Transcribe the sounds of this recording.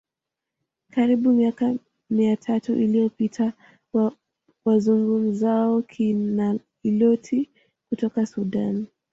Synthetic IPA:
kaɾiɓumiaka | miatʰatuʔilijɔpitʰa | wazuŋɡum̩zaɔkʰina | ilɔtʰi | kutɔkasuɗan

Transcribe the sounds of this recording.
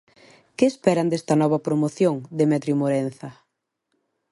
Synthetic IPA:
keːspɛɾɐnd̪est̪ɐnɔβɐpɾomoθjoŋd̪emɛt̪ɾjumoɾenθɐ

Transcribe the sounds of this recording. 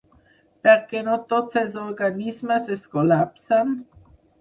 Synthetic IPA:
pɛʁkenot̪otsezoɾɡanismaseskolapsan

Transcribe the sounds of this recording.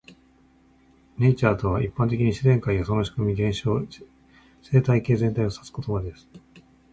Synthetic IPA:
ne̞t͡ɕaːt̪o̞βaʔipːãnt̪̬e̞kʲiɲ̟iɕizẽ̞ŋkaijosonoɕi̥kɯ̟mʲiɡẽ̞ɰ̃ɕoː | se̞ːt̪aike̞ːzent̪aio̞sḁt͡sɨ̥ko̞t̪obad̪e̞sɨ̥

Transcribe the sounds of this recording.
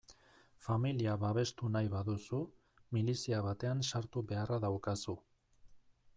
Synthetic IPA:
familiaβaβe̞st̪unajβaðusu | milisiaβat̪e̞ansaɾt̪uβe̞araðawkasu

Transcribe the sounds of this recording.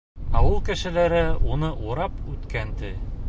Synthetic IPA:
ɑwɤlˠkɘ̆ʃɘ̆læɾɘunɤʔuɾɑpʉt̪kænt̪ɘ

